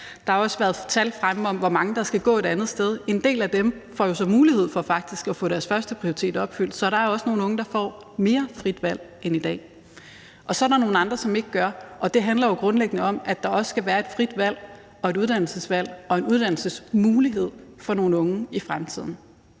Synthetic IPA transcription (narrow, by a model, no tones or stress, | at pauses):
d̥ɑ̈hɑ̈ɒ̽səʋæːɐð̩ˠt͡sʰælfʁaməɒ̽mʋɒmɑ̈ŋəd̥ɑ̈sɡ̥æɡ̥ɔ̰ːe̝d̥ænð̩ˠsd̥eð̞ˠe̝nd̥e̝̰ːlæd̥emfɒ̰ːjo̝sɒ̽muːlihe̝ð̞̰ˠfɒ̽fɑ̈ɡ̥̚d̥isɡ̥æfɔ̰ːɾ̥æɐsfɶɐsd̥əpʰʁioi̥t͡sʰe̝̰ːd̥ɒ̽b̥fyl̰d̥sɒ̽ɾ̥ɑ̈æɐɒ̽səno̝ːn̩ɔ̽ŋəd̥ɑ̈fɒ̰ː | me̝ːɐfʁid̥ʋæl̰ | enid̥ɛ̰ː | ʔɒ̽sɒ̽æɾɑ̈no̝ːn̩ɑ̈nd̥ʁɐsɒ̽me̝ɡ̥ɡ̥ɶɐʔɒ̽d̥e̝ɦænlɐjo̝ɡ̥ʁɔ̽nleɡ̥nəɒ̽mæ̥ɑ̈ɒ̽sə̥sɡ̥æʋæːɐe̝d̥fʁid̥ʋæl̰ | ɒ̽e̝ɾuð̞̥ˠæn̰l̩səsʋæl̰ɒ̽e̝nuð̞ˠd̥æn̰l̩səsmuːliɦe̝ð̞̰ˠfɒ̽no̝ːn̩ɔ̽ŋəifʁamt͡sʰið̞̰ˠn̩